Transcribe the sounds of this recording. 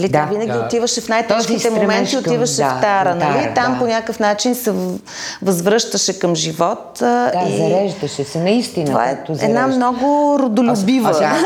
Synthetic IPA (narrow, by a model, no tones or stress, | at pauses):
lid̪avinɐɡʲiot̪ivəʃɛfnajt̪ɛʃkit̪ɛmomɛnt̪iot̪ivɐʃɛft̪aɾənɐlit̪amponʲakəfn̪at͡ʃinsɛ | vɐzvɾɤʃt̪əʃɛkɐmʒivɔt̪izɐɾɛʒd̪əʃɛsɛnɐist̪inova̰ɛɛ̰d̪namnɔɡʊɾod̪olʲʊbivə